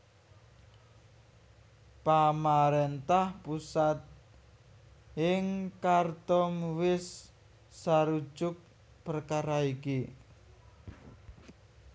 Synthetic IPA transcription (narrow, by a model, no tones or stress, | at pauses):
pamaɾent̪ahpusat̪̚ | ɪŋkart̪ɔmwɪsː | aɾu̥ʒ̥ʊk̚ | pərkaɾaiki